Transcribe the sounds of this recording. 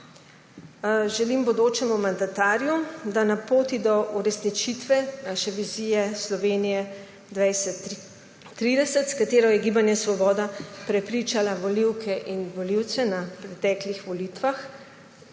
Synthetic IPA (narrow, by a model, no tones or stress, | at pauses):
ʒɛlimbɔd̪oːt͡ʃɛmumand̪at̪aːɾjud̪anapoːt̪id̪ɔʔuɾɛsnit͡ʃit̪ʋɛnaʃɛʋizijɛslɔʋeːnijɛ | d̪ʋajsɛ | ɾid̪ɛsət̪skat̪eːɾɔjɛɡiːbanjɛsʋɔbɔːd̪apɾɛpɾit͡ʃalaʋɔliwkʰɛʔinʋɔliw̪sɛnapɾɛt̪ɛːklixʋɔlit̪ʋax